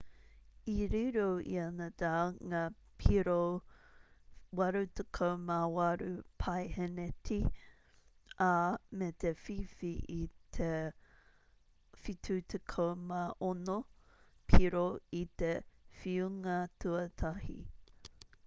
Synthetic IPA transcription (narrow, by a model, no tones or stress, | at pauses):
iɾiɾoḭɐnɐd̪aːŋa | pʰiɾo | wɐɾut̪ʰekʰowmawɐɾupʰɐjhenetʰi | amet̪efifiʔit̪ʰe | fitʰut̪ʰekʰowmaʔonopʰiɾoit̪efiuŋɐtʰuɐtʰɐhḭ